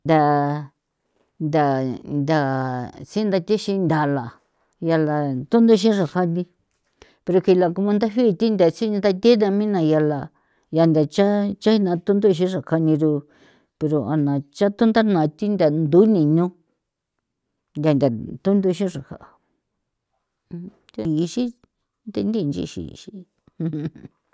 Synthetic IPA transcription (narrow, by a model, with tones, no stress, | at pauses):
nd̪ʲa˧ | nd̪a˨nd̪ʲa˨t͡si˦nd̪a˧t̪ʲi˦ʃĩ˧nd̪ʲa˨la˨ | ja˧la˧t̪u˦nd̪u˦˧ʃ̬ĩ˦ʐa˨ka˧nĩ˧ | pe˧ɾo˧ki˨˧la˧ku˧mã˧nd̪a˦ɦi˦˧t̪i˦nd̪ʲa˨si˦n˧nd̪a˧t̪ʲe˦nã˧mĩ˦nã˧ja˧la˧ | ja˧nd̪ʲa˨t͡ʃa˦t͡ʃa˦i˧nã˧t̪u˦nd̪o˦˧ʃ̬ĩ˦ʐa˨ka˧nĩ˧ɾu˧ | pe˧ɾo˧a̰˧nã˨t͡ʃa˦t̪u˦nd̪a˦nã˨t̪i˦nd̪ʲa˨nd̪u˨˦nĩ˨ɲũ˦ | nd̪ʲa˧nd̪ʲa˨t̪u˦nd̪u˧ʃĩ˦ʐa˨ha̰˨ʔa˨˧ | t̪e˦˧˨i˧ʃĩ˦ | t̪e˧nd̪i˦˧nd͡ʒḭ˦˧ʃḭ˨ʃi˧ | h